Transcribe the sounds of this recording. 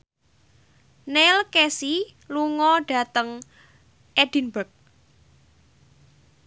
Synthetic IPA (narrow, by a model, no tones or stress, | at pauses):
nelkesi | luŋɔɖ̥a̤t̪əŋ | ʔɛd̥i̤nbək̚